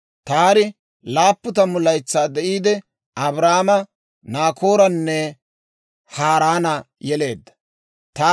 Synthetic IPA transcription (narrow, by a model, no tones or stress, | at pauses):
t̪aːɾɪ | laːpːʊt̪̬ɐmʊlɐjt͡sːaːd̪ɛʔiːd̪ɛ | ɐbɾaːmɐ | naːkʰo̞ːɾɐnːɛ | haːɾaːnɐjɛle̞ːd̪ːɐ̥ | t̪aː